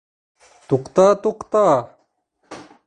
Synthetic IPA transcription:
t̪uqt̪aːt̪uqt̪aː

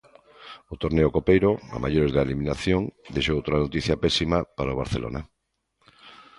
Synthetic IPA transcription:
ot̪oɾneokopejɾoa̰ma̰joɾezðaeliminaθjoŋd̪ejʃoowt̪ɾanot̪iθjapɛsimapaɾaoβ̞a̰ɾθelo̰na

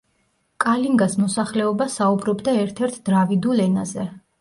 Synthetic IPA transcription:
kʼaliŋɡasmɔsaχlɛɔbasaubɾɔbd̪aɛɾt̪ʰɛɾt̪ʰd̪ɾavid̪ulɛnazɛ

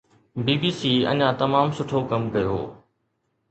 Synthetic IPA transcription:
biːbiːsiːɐ̰ɲãt̪ɐmaːmsʊʈʰokɐmkɐjo̰ː

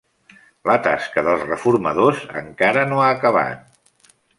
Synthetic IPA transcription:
lət̪a̰skəðəlˠzrəfurməðozə̰ŋkaɾənoaːkəβ̞a̰t̪̚

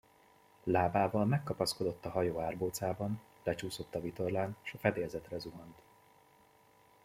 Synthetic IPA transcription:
laːbaːvɒlmɛkːɒpɒsko̞d̪o̞t̪ːɒɦɒjoːaːrboːt̪saːbɒn | lɛt͡ʃuːso̞t̪ːɒvit̪o̞rlaːnʃɒfɛd̪eːlzɛt̪rɛzuɦɒnt̪

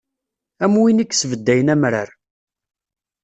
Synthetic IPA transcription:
æmwinikːsvəd̪ːæjənæmɾaɾ

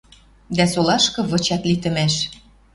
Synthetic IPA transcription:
d̪æsolɑʃkɤ̆βɤ̆t͡ɕɑt̪lit̪ə̆mæʃ

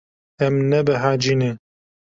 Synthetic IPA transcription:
ɛmnɛbɨɦad͡ʒine

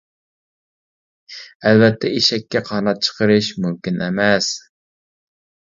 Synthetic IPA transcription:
ɛlvɛt̪ʰːɛiʃɛkʲːɛqʰɑnɑt̪̚t͡ʃʰə̥qʰəɾɨʃmymkʲinɛ̰mɛs

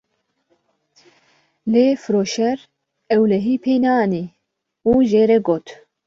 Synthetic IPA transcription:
leːfɨɾoːʃɛɾ | ɛwlɛɦiːpʰeːnaːniː | uːʒeːɾɛɡoːt̪

